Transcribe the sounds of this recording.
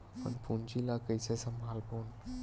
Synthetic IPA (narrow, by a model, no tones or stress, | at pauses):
pə̰npʰunt͡ʃilakəjsesəmbʱalpon